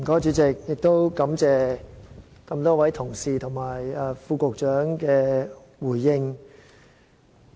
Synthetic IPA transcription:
kɔː˨˥t͡ʃyː˨˥t͡sɪ˨k̚jɪ˨k̚t̪o˥wkɐ˨˥mt͡sɛː˨ | kɐ˧mt̪ɔː˥wɐ˨˥jt̪ʰʊ˨˩ŋsiː˨t̪ʰʊ˨˩ŋmaː˨˩jɛ˧fuː˧kʊ˨k̚t͡ʃœː˨˥ŋkɛː˧ | wuː˨˩jːɪ˧ŋ

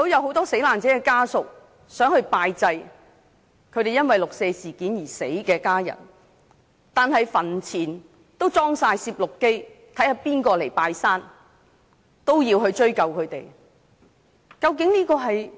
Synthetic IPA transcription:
t̪o˥wjɐ˨wɦo˨˥wt̪ɔː˥se˨˥jlaː˨nt͡sɛː˨˥kɛː˧kaː˥sʊ˨k̚ | sœː˨˥ŋhɵ˧ɥpaː˧jt͡sɐ˧j | kʰɵ˨˧ɥt̪e˨jɐ˥nwɐ˨jlʊ˨k̚se˧jsiː˨˩kiː˨˥njiː˨˩se˨˥jkɛː˧kaː˥jɐ̰˨˩n | t̪aː˨nɦɐ˨jfɐ˨˩nt͡sʰiː˨˩n | t̪o˥wt͡sɔː˥ŋsaː˧jsiː˧p̚lʊ˨kːe˥j | t̪ʰɐ˨˥jhaː˨˩piː˥nkɔː˧le˨˩jpaː˧jsaː˥n | t̪o˥wjiː˧wɦɵ˧ɥt͡ʃɵ˥ɥkɐ˧wkʰɵ˨˧ɥt̪e˨˩j | kɐ˧wk̬ɪ˨˥ŋniː˥kɔː˧ɦɐ˨j

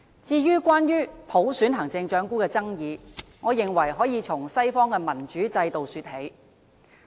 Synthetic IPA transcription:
t͡siː˧jyː˥kʷaː˥njyː˥pʰo˨˥wsyː˨˥nɦɐ˨˩ŋt͡sɪ˧ŋt͡ʃœː˨˥ŋkuː˥kɛː˧t͡sɐ˥ŋjiː˨˧ŋɔː˨˧jɪ˨˩ŋwɐ˨˩jɦɔː˨˥jiː˨˧t͡sʰʊ˨˩ŋsɐ˥jfɔː˥ŋkɛː˧mɐ˨˩nt͡ʃyː˨˥t͡sɐ˧jt̪o˨wsyː˧t̚he˨˥j

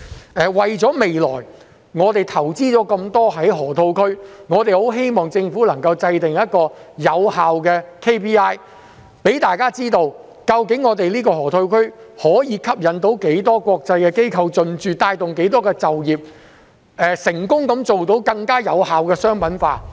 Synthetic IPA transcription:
ʔɛː˨wɐ˨jt͡sɔː˨˥me˨jlɔ̰ː˨˩j | ŋɔː˨˧t̪e˨jt̪ʰɐ˨˩wt͡siː˥t͡sɔː˨˥kɐ˧mt̪ɔː˥ɦɐ˨˥jɦɔː˨˩t̪ʰo˧wkʰɵ˥ɥŋɔː˨˧t̪e˨jho˨˥wɦe˥jmɔː˨ŋt͡sɪ˧ŋfuː˨˥lɐ˨˩ŋkɐ˧wt͡sɐ˧jt̪ɪ˨ŋjɐ˥t̚kɔː˧jɐ˨˧whaː˨wkɛː˧kʰe˥jpʰiː˥aː˥j | pe˨˥jt̪aː˨jkaː˥t͡siː˥t̪o˧w | kɐ˧wkɪ˨˥ŋːɔː˨˧t̪̬e˨jliː˥kɔː˧ɦɔː˨˩t̪ʰo˧wkʰɵ˥ɥhɔː˨˥jiː˨˧kʰɐ˥p̚jɐ˨˧nt̪o˨˧˥wke˨˥jt̪ɔː˥kʷɔː˧k̚t͡sɐ˧jkɛː˧ke˥jkʰɐ˧wt͡sɵ˨nt͡ʃyː˨t̪aː˧jt̪ʊ˨ŋke˨˥t̪ɔː˥kɛː˧t͡sɐ˨wjiː˨p̚ | ɛː˨sɪ˨˩ŋkʊ˥ŋkɐ˨˥mt͡so˨wt̪o˨˥wkɐ˧ŋkaː˥jɐ˨˧whaː˨wkɛː˧sœː˥ŋpɐ˨˥nfaː˧t̚

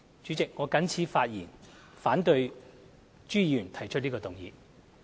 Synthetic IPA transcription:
t͡ʃy˨˥t͡sɪ˨k̚ŋɔː˨˧kɐ˨˥nt͡sʰiː˨˧faː˧t̚jiː˨˩n | faː˨˥nt̪ɵ˧ɥ | t͡ʃyː˥jyː˨˩nt̪ʰɐ˨˩jt͡ʃʰɵ˥t̚liː˥kɔː˧t̪ʊ˨ŋjḭː˨˧

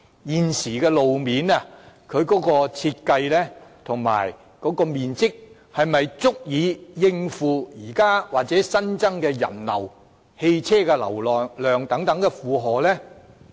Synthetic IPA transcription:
jiː˨nsiː˨˩kɛː˧lo˨wmiː˨nɐ˨kʰɵ˨˧ɥkɔː˨˥kɔː˧t͡sʰiː˧t̚kɐ˧jlɛː˥t̪ʰʊ˨˩ŋma̰ː˨˩j | kɔː˨˥kɔː˧miː˨nt͡sɪ˥k̚ | hɐ˨jmɐ˨jt͡sʊ˥k̚jiː˨˧jɪ˧ŋfuː˨˧jiː˨˩kaː˥waː˨k̚t͡sɛː˨˥sɐ˥nt͡sɐ˥ŋkɛː˧jɐ̰˨˩nlɐ̰˨˩w | he˧jt͡sʰɛː˥kɛː˧lɐ̰˨˩wlːlœː˨ŋt̪ɐ˨˥ŋt̪ɐ˨˥ŋkɛ˧fuː˨ɦɔː˨˩lɛː˥

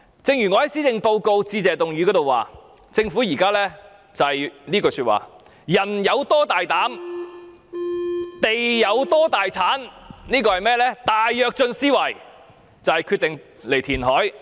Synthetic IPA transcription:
t͡sɪ˧ŋjyː˨˩ŋɔː˨˧hɐ˨˥jsiː˥t͡sɪ˧ŋpo˧wko˧wt͡siː˧t͡sɛː˨˩t̪ʊ˨ŋjy˨˧kɔː˨˥t̪o˨wa̰ː˨ | t͡sɪ˧ŋfuː˨˥jiː˨˩kaː˥lɛː˥ | t͡sɐ˨hjniː˥kɔː˧sy˧wa̰ː˨˩ | jɐ˨˩njɐ˨˧wt̪ɔː˥t̪aː˨jt̪aː˨˥m | t̪e˨jːɐ˨˧wt̪ɔː˥t̪aː˨jt͡sʰaː˨˥nniː˥kɔː˧hɐ˨jmɛː˥lɛː˥t̪aː˨˩jːœː˨˧k̚t͡ʃɵ˧nsiː˥wɐ˨˩j | t͡sɐ˨whɐ˨jkʰy˧t̪ɪ˨ŋ | le˨˩jt̪ʰiː˨˩nɦɔː˨˥j

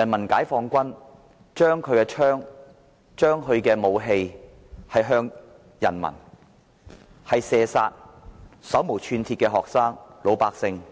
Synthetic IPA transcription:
jɐ˨˩nmɐ˨˩nkaː˨˥jfɔː˧ŋkʷɐ˥n | t͡ʃœː˥ŋkʰɵ˨˧ɥkɛː˧t͡ʃʰœː˥ŋ | t͡ʃœː˥ŋɦɵ˨˧ɥkɛː˧mo˨˧wɦe˧j | hɐ˨jɦœː˧ŋ | jɐ̰˨˩nmɐ̰˨˩n | hɐ˨jsɛː˨saː˧t̚sɐ˨˥wmo˨˩t͡ʃʰyː˧nt̪ʰiː˧t̚kɛː˧ɦɔː˨k̚saː˥ŋlo˨˧wpaː˧k̚sɪ˧ŋ

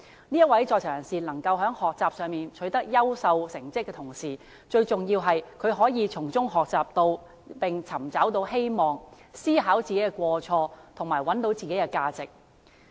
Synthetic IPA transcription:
niː˥jɐ˥t̚wɐ˨˥jt͡sɔː˧k̚t͡sʰœː˨˩jɐ˨˩nsiː˨lɐ˨˩ŋkɐ˧wɦœː˨˥ŋhɔː˨k̚t͡saː˨p̚sœː˨˧ŋmiː˨nt͡ʃʰɵ˨˥ɥt̪ɐ˥k̚jɐ˥wsɐ˧wsɪ˨˩ŋt͡sɪ˥kːɛː˧t̪ʰʊ˨˩ŋsiː˨˩ | t͡ʃɵ˧ɥt͡sʊ˨ŋji˧wɦɐ˨jkʰɵ˨˧ɥɦɔː˨˥jiː˨˧t͡sʰʊ˨˩ŋt͡sʊ˥ŋɦɔː˨k̚t͡saː˨p̚t̪o˧w | pɪ˨ŋt͡sʰɐ˨˩mt͡sɐ˨˥wt̪̬o˧whe˥jmɔː˨ŋsiː˥ɦaː˨˥wt͡siː˨ke˨˥jkɛ˧kʷɔː˧t͡ʃʰɔː˧t̪ʰʊ˨˩ŋmaː˨˩jwɐ˨˥nt̪o˨˥wt͡siː˨ke˨˥jkɛ˧kaː˧t͡sɪ˨k̚

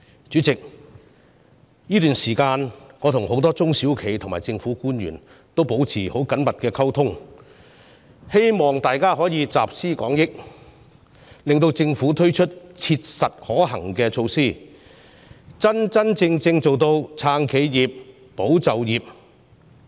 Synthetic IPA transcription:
t͡ʃyː˨˥t͡sɪ˨k̚ | jiː˥t̪yː˨˩nsiː˨˩kaː˧nŋɔː˨˧t̪ʰʊ˨˩ŋho˨˥wt̪ɔː˥t͡sʊ˥ŋsiː˨˥wkʰe˨˩jt̪ʰʊ˨˩ŋma̰ː˨˩jt͡sɪ˧ŋfuː˨˥kuː˥nɥy̰ː˨˩n | t̪o˥wpo˨˥wt͡sʰiː˨˩ho˨˥wkɐ˨˥nmɐ˨t̚kɛː˧kʰɐ˥wt̪ʰʊ˥ŋ | he˥jmɔː˨ŋt̪aː˨jkaː˥ɦɔː˨˥jiː˨˧t͡saː˨p̚siː˥kɔː˨˥ŋjɪ˥k̚ | lɪ˨ŋt̪o˧wt͡sɪ˧ŋfuː˨˥t̪ʰɵ˥ɥt͡ʃʰɵ˥t̚t͡sʰiː˧t̚sɐ˨t̚hɔː˨˥ɦɐ˨˩ŋkɛː˧t͡ʃʰo˧wsiː˥˩ | t͡sɐ˥nt͡sɐ˥nt͡sɪ˧ŋt͡sɪ˧ŋt͡so˨wt̪o˧wt͡sʰaː˧ŋkʰe˨˧jjiː˨˩p̚ː | o˨˥wt͡sɐ˨wjiː˨p̚

